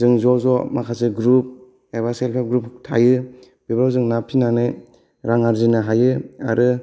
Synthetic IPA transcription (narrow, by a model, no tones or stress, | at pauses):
zɯŋzɔzɔmakʰasɯɡɾup̚ | eβaselpʰep̚ɡɾup̚tʰa̰jɯ | bebɾawzɯŋnapʰinanɯj | ɾaŋaɾzinɯɦajɯa̰ɾʔɯ